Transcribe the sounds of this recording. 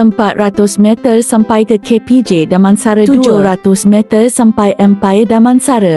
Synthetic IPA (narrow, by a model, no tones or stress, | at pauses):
əmpat̪̚rat̪ʊsmɛ̃t̪ərsampajkəkʰepid͡ʒedamãnsaɾət̪ud͡ʒʊɾat̪ʊsmɛ̃t̪ərsampajʔə̃mpajədamãnsaɾə